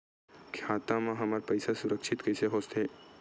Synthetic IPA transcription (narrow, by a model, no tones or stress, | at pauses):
kʰjaːt̪ãmãɦɐməɾpɐɪsasʊɾəkʃɪt̪kɛːseɦoːst̪ʰeː